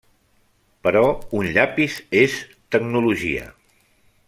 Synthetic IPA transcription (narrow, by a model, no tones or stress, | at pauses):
pəɾɔunʎapises | t̪əɡnuluʒḭə̰